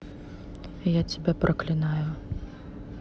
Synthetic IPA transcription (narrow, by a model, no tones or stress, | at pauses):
jat͡sʲɛbʲɛpɾʔɐklʲinajʊ